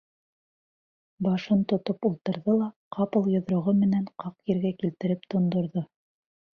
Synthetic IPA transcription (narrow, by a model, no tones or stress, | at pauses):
bɑʃɤnt̪ŏt̪opulˠt̪ɤ̆ɾðɤlˠɑqʰɑpɤ̆lˠjŏðɾŏʁɤmɘ̆næɴqɑqjɘ̆ɾɡækilt̪ɘ̆ɾɘpt̪ŏnd̪ŏɾðo